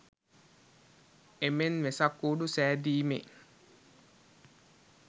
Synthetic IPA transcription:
emenʋesakːuːɖusæːd̪iːmḛ

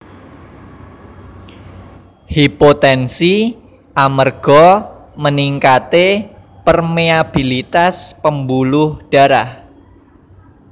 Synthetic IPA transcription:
hipot̪ɛnsi | ʔamərɡ̥ɔməniŋkat̪epərmeab̥ilit̪aspəmbulʊhɖ̥a̤ɾah

